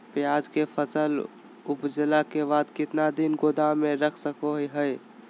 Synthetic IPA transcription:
pjad͡ʒkepʰəsəl | upd͡ʒəlakebad̪kɪt̪nad̪inɡod̪ameɾəkʰsəkoɦiɦəj

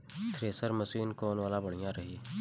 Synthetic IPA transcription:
t̪ʰɾeːsəɾmɐsiːnkɔːnʋaːlabɐɽ̤̃ijãɾɐɦiː

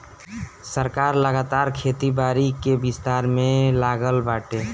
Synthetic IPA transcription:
səɾkaːɾləɡaːt̪aːɾkʰet̪ibaɾikebist̪aːɾmẽlaːɡəlbaːʈeː

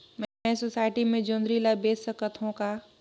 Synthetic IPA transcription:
mɛsosaːɪʈimẽd͡ʒõːnd̪ɾiːlabeːsəkət̪ʰõka

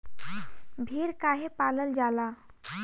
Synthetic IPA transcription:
bʱiɾkaɦepaləld͡ʒala

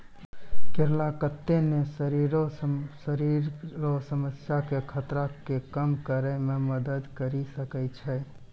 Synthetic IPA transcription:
kɪɾlakət̪ːenesəɾiːɾosəɾiɾosəməsjakekʰət̪ɾakekəmkəɾɛmẽməd̪əd̪kəɾisəkət͡ʃʰɛ

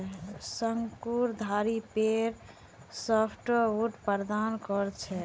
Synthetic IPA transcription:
səŋkuɾd̪ʱaɾipeɾ | sɔpʰʈuʈpəɾd̪ankɔɾt͡ʃʰɛ

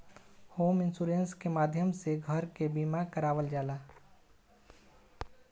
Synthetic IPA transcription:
hoːmɪnsuːɾeːnskemaːd̪ʱjəmseɡʱəɾkebiːmakəɾaːʋəld͡ʒaːlaː

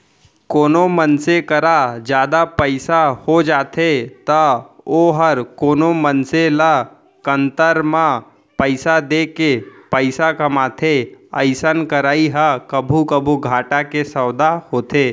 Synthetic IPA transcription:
koːnomənsekəɾad͡ʒjaːd̪apəɪsahod͡ʒaːt̪ʰet̪əoːɦəɾkoːnomənsela | kənt̪əɾmã | pəɪsad̪ekepəɪsakɐmaːt̪ʰeəɪsənkəɾaːiɦəkəbʱukəbʱuɡʱaːʈakesəwd̪ahoːt̪ʰeː

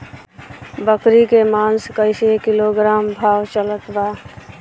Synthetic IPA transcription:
bəkɾikemaːnskəɪsekɪloɡɾaːmbʱaːwt͡ʃələt̪baː

